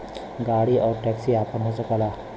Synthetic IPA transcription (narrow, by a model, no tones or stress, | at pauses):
ɡaɽiːʔɔɾʈɛksiːapəɳɦosəkala